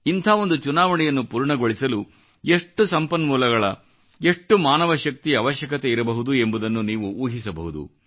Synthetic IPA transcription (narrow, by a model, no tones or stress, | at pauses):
int̪ʰaːo̞nd̪ut͡ʃunaːʋɐɳɛjɐnːupuːɾɳɐɡo̞ɭisɐlu | e̞ʂʈːusɐmpɐnːmuːlɐɡɐɭɐ | e̞ʂʈːumaːnɐʋɐʃɐk̚t̪iɐʋɐʃjɐkɐt̪eiɾɐbɐɦud̪ue̞mbud̪ɐnːuniːʋuuːɦisɐbɐɦud̪ṵ